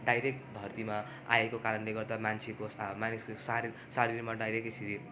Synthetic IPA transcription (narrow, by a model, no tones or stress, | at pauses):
ɖajɾek̚ʈbʱʌrt̪ima | a̰ekokaɾʌnleɡʌrd̪amant͡sʰekosmaniskosaɾi | saɾirmaɖajɾek̚siɾi